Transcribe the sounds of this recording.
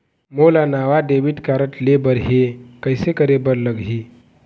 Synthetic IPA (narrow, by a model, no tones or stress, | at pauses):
molanaʋaɖeʋiʈkaɾəʈlebəɾɦekəjsekəɾebəɾləɡɦi